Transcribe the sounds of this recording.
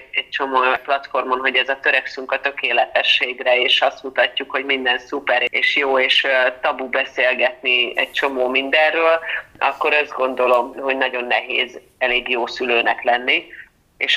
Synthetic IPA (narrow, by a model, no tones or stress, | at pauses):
ɛc̚t͡ʃo̞moːplɒt̪fo̞rmo̞nɦo̞ɟɛzɒt̪øɾɛksyŋkɒt̪ø̞keːlɛt̪ɛʃːeːɡrɛeːʃɒst̪mut̪ɒcːukho̞ɟmind̪ɛnsupɛɾeːʃjoːeːʃt̪ɒbubɛseːlɡɛt̪niɛ̰c̚t͡ʃo̞moːmind̪ɛrøːlɒ̰kːo̞ɾɛzɡo̞nd̪o̞lo̞mho̞ɟnɒɟo̞nːɛɦḛːz | ɛleːɡjoːsyløːnɛklɛnːi | eːʃ